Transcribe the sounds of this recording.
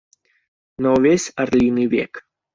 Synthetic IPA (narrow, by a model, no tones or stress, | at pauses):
nɔʋʲesʲɐɾlʲinɨʋʲɛ̰k